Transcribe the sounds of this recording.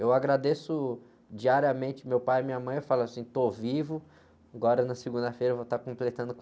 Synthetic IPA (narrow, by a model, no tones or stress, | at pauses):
ewaɡɾad̪esʊ | d͡ʒiaɾiɐmẽnt͡ʃɪmewpajɪmĩɲɐmɐ̃j̃efalɐsĩt̪ovivʊ | aɡɔɾɐnɐsɪɡũnd̪ɐfejɾɐvot̪akõplet̪ɐ̃nd̪ʊk